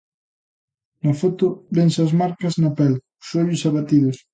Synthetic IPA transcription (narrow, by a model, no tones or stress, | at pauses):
nafot̪ʊbɛnsɐzmaɾkɐznɐpɛl | ʊsoʎʊsaβat̪iðʊs